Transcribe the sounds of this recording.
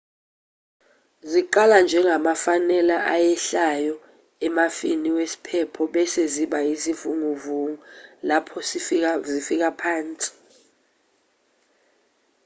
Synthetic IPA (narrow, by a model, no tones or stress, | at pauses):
ziǃaland͡ʒʱɛŋʱamafanɛlaʔajɛɬajɔ | ɛmafiniwesi̥pʰɛpʰɔɓɛseziɓaisivuŋuvuŋulapʰɔsizifik̬apʰaːnt͡sʼi̥